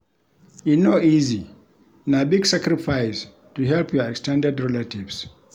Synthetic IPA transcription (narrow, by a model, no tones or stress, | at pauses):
inoizi | nabiɡsakɾifajs | tuɦɛlpʰjɔɛkstɛ̃ndɛdɹɛlativs